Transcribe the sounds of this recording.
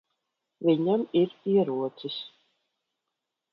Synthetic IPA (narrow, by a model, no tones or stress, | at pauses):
viɲɛmiɾpiɛɾuɔt̪sis